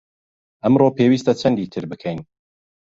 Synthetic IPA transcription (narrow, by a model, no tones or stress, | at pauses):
ʔɐmropʰewiːst̪ɐt͡ʃʰɐnd̪iːt̪ʰɨɾbɨkʰɛjn